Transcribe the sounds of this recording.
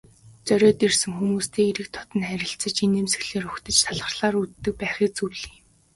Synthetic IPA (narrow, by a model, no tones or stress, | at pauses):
t͡sœɾʲœːt̪ersɘ̆ŋxumuːst̪ʰeːiɾɘ̆k̚t̪ʰɔ̥t̪ə̆nχæɾʲɪ̆ɬt͡sə̆t͡ɕinemsɘ̆ɣɮeːɾɵxt̪ə̆t͡ɕt̪ʰaɮʁə̆rɮaːɾut̪ːɘ̆k̚pæːχĭːk̚t͡suɮiː